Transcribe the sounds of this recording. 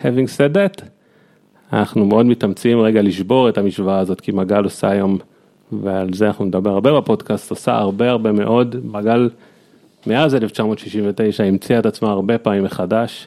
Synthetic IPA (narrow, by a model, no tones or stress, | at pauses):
heviŋɡsedet̪ | anaχnumeo̞dmitamt͡siimʁeɡaliʃbo̞ʁe̞tamiʃvaaːzo̞tkimaɡalo̞sa̰jo̞m | vealzeanaχnuned̪abe̞ʁaʁbe̞bepo̞dkastosa̰a̰ʁbe̞aʁbe̞me̞ʔo̞dmaɡal | meazeleft͡ʃamo̞t̪ʃiʃimvete̞jʃaimt͡siaetat͡smaaʁbe̞paːmimːeχadaʃ